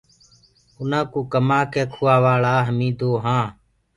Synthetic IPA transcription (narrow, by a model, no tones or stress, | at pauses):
ʊnãːkuːkəmaːkɛːkʰʊːaːʋaːɭaːɦəmĩːd̪oːɦãː